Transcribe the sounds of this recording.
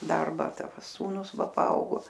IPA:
ˈdɐrbɐ ˈtɐ ˈsuːnʊs ˈʋɐ pɐˈɐʊɡoː

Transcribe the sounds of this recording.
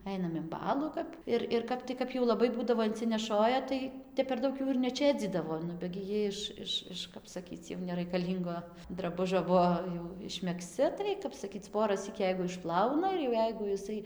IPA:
ˈɐɪnɐm ɪn ˈbɑːlˠuː kɐp ˈɪr ɪr ˈkɐp tɐɪ ˈkɐp jɛʊ lˠɐˈbɐɪ ˈbuːdɐʋoː ɪnʲt͡sʲɪnʲɛˈʃoːjɛ ˈtɐɪ ˈtʲɛp pʲɛr ˈdɐʊk juː ɪr nʲɛˈt͡ʃʲeːd͡zʲiːdɐʋoː ˈnʊ bʲɛ ɡʲɪ ˈjiɛ ɪʃ ˈɪʃ ˈɪʃ ˈkɐp sɐˈkʲiːt͡s jɛʊ nʲɛrɐɪkɐˈlʲiːŋɡoː drɐˈbʊʒʲoː ˈbuɔ jɛʊ ɪʃʲmʲɛkˈsʲt͡sʲɪ tɐɪ kɐp sɐˈkʲiːt͡s ˈpoːrɐsʲiːk ˈjɛɪɡʊ ɪʃˈplˠɐʊnɐ ɪr jɛʊ ˈjɛɪɡʊ jɪˈsɐɪ

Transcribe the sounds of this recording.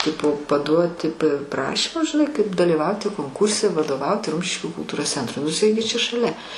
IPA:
ˈtʲɪpoː pɐˈduɔtʲɪ p prɐˈʃʲiːmʊs ʒʲɪˈnɐɪ kɐɪp dɐlʲɪˈʋɐʊtʲɪ koːŋˈkuːrʲsʲɛ ʋɐdoːˈʋɐʊtʲɪ ˈrʊmʲʃʲɪʃʲkʲuː kʊlˠˈtuːroːs ˈt͡sʲɛntrʊɪ nʊ ɪˈsɐɪ ɡʲɪ t͡ʃʲɛ ʃɐˈlʲɛ

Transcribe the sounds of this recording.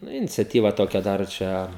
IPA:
ˈnʊ ɪnʲɪt͡sʲɛˈtʲiːʋɐ ˈtoːkʲɛ ˈdɐr ˈt͡ʃʲɛ

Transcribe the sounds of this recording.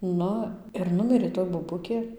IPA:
ˈnʊ ɪr ˈnʊmʲɪrʲeː toːj boːˈbʊkʲeː

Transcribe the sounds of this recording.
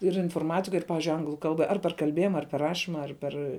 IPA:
ɪr ɪnfoːrˈmɑːtʲɪkɐ ɪr ˈpɑːʋʲɪʒʲʊɪ ˈɐŋɡlˠʊ ˈkɐlˠbɐ ˈɐr pʲɛr kɐlʲˈbʲeːjɪmɐ ɐr pʲɛr ˈrɑːʃʲiːmɐ ɐr ˈpʲɛr

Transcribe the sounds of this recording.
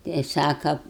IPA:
ˈtɐɪ ˈsɑːkɐ

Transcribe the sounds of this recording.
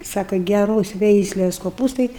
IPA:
ˈsɑːkoː ɡʲɛˈroːs ˈʋʲɛɪsʲlʲeːs koːˈpuːstɐɪ

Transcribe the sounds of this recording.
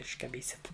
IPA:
ɪʃkɐˈbʲiːsʲɪt

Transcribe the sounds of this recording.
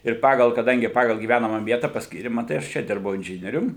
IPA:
ɪr ˈpɑːɡɐlˠ kɐˈdɐŋʲɡʲɪ ˈpɑːɡɐlˠ ɡʲiːˈʋʲænɐmɐ ˈʋʲiɛtɐ pɐsʲˈkʲiːrʲɪ mɐˈtɐɪ ɐʃ ˈt͡ʃʲɛ ˈdʲɪrbɐʊ ɪnʲˈʒʲɪnʲiɛrʲʊm

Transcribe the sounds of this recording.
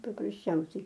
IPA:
pɐprɐsʲˈt͡ʃʲɛʊsʲɛɪ

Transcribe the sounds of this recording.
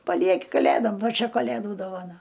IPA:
pɐˈlʲiɛkʲɪ kɐˈlʲeːdoːm ˈʋɐ ˈt͡ʃʲɛ kɐˈlʲeːduː doːʋɐˈnɐ

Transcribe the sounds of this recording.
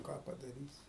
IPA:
ˈkɑː pɐdɐˈrʲiːsʲɪ

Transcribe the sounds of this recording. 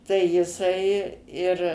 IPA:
tɐɪ jɪˈsɐɪ ɪr

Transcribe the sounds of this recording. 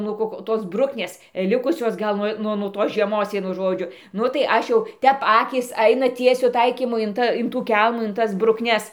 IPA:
ˈnuɔ koːk ˈtoːs ˈbrʊknʲeːs ˈlʲɪkʊsʲoːs ɡɐlˠ ˈnuɔ nʊ nuɔ ˈtoːs ʒʲiɛˈmoːs ˈʋʲiɛnʊ ˈʒoːd͡ʒʲʊ ˈnʊ tɐɪ ˈɐʃ jɛʊ ˈtʲɛp ˈɑːkʲiːs ˈɐɪnɐ ˈtʲiɛsʲʊ ˈtɐɪkʲiːmʊ ɪn ˈtɐ ɪn tuː ˈkʲɛlˠmuː ɪn ˈtɐs brʊkˈnʲɛs

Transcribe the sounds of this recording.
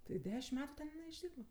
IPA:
tɐɪ ˈdʲæːʃʲɪmt ˈmʲæːtʊ ˈtʲɛn jɪˈnɐɪ ɪʒʲˈdʲiːrbɐ

